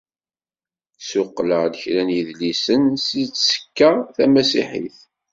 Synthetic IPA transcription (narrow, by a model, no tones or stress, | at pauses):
sʊqːləʁd̪əçɾænjiðlisənsit͡sːsə̥kːaθæmæsḭħḭθ